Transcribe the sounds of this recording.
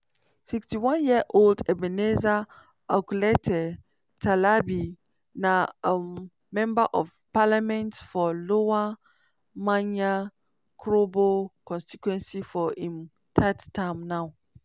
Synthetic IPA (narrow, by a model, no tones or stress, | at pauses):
sikstiwãnjiaʔoldɛbɛneza | akuletʰɛ | tʰalabi | nã | mɛ̃mbaʔɔv | palamɛ̃ntfɔlowa | mãɲã | kʰɾobokʰɔ̃nstitʰwɛ̃nsifɔhĩm | tʰatʰːãmnãw